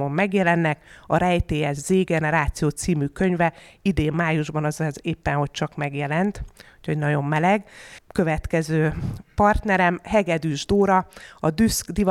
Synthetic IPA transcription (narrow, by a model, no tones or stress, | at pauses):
o̞mːɛɡjɛlɛnːɛkɒɾɛjt̪eːɛszeːɡɛnɛɾaːt̪sijoːt̪siːmykø̞ɲvɛid̪eːmːaːjuʒbɒnɒzɛzeːpːɛnho̞c̚t͡ʃɒkmɛɡjɛlɛnt̪ucho̰ɟnɒɟo̞mːɛlɛɡkø̞vɛt̪kɛzøːpɒrt̪nɛɾɛmhɛɡɛd̪yʒd̪oːɾɒɒd̪yskd̪ivɒ